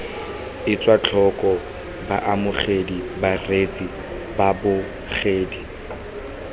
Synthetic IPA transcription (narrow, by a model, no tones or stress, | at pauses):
ɪt͡sʼwat͡ɬʰɔkʼɔ | ba̰ʔamʊχedibaret͡sʼi | babʊ | χeːdi